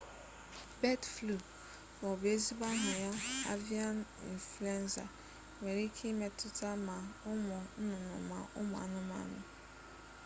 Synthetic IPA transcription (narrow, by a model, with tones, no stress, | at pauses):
bɛ˦dflu˨ | fɔ˨be˦zi˦ba˦ɦʊ̃˨ja˦a̰˦vi˦ã˦nḭ˨flu˨˦ɛ̃˦nsa̰˨ | mɛ˨ɾi˦kʰi˦mɛ˨tʰʊ˦tʰa˦mã˨ʊ˦mɔ̃˨n̩˦nʊ̃˨nʊ̰̃˨mã˨ʔʊ˦mɔ̃˨a̰˨nʊ̃˦mã̰˨˦nʊ̰̃˨